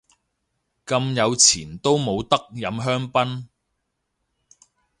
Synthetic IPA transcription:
kɐ˧mjɐ˨˧wt͡sʰiː˨˩nt̪o˥wmo˨˧wt̪ɐ˥k̚jɐ˨˧mɦœː˥ŋpɐ˥n

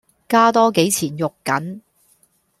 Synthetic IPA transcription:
kaː˥t̪ɔː˥ke˨˥jt͡sʰiː˨˩njʊ˨kːɐ˨˥n

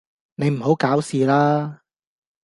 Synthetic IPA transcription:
ne˨˧jm̩˨˩ɦo˨˥wkaː˨˥wsiː˨laː˥

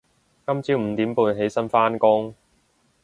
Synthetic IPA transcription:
kɐ˥mt͡siː˨˥m̩˨˧t̪iː˨˥mpuː˧nɦe˨˥jsɐ˥nfaː˥nkʊ˥ŋ

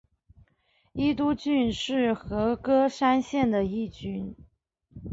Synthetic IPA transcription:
i˥t̪̬u˥t͡ɕy˥˧nʂɻ̩˥˩xɤ˧˥kɤ˥ʂa˥nɕjɛ˥˩nd̪ə˩i˥˩t͡ɕy˥n

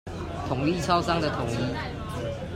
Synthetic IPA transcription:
t̪ʰʊ˨˩ŋi˥˨t͡sʰɑ˥ʊsɑ˥ŋd̪ə˨t̪ʰʊ˨˩˦ŋi˥˦

